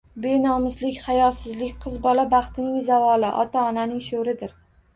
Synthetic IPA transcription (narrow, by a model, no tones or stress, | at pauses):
benɒmɪzlɪkʲχajɒsɪzlɪkʲqʰɨzbɒlabɑχt̪ʰɪnɪŋzavɒlɪʔɒ̰t̪ʰaɒnanɪŋʃoɾɪd̪ɪɾ